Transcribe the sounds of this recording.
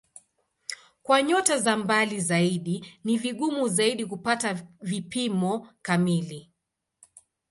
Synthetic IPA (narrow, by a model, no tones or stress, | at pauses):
kwaɲɔtazambalizaiɗiniviɠumuzaiɗikupatavipimɔkamili